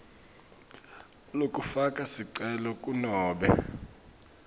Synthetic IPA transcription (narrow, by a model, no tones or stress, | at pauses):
lokʼufakʼasiǀɛlɔkʼunɔːɓɛ̰